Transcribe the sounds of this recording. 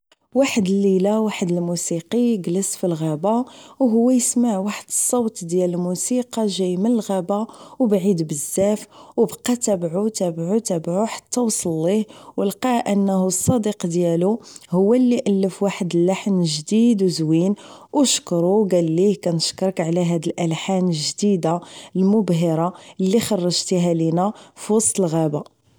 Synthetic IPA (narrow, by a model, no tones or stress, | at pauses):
waħəd̪əlːilawaħəd̪əlmusiqiɡləsfilɣæbawɦʊwːæjəsmaʕwaħəd̪əsˤːɑwt̪ˤd̪jæləlmusiqɑʒæjmənəlɣæbawbʕid̪bəzːæfwbqɑt̪æbʕut̪æbʕut̪æbʕuħḁt̪ːæwsˤlːihwəlqɑʔənːəhusˤːɑd̪iqd̪jæluhʊwːælːiʔəlːəfwaħəd̪əlːaħnʒd̪id̪wzwinwʃkɾˤuwɡælːikænəʃkəɾˤəkʕlæɦæd̪əlʔælħanəlʒd̪id̪almʊbɦəɾˤɑlːixɑrˤːɑʒt̪iɦælinæfiwɑsˤt̪ˤəlɣæba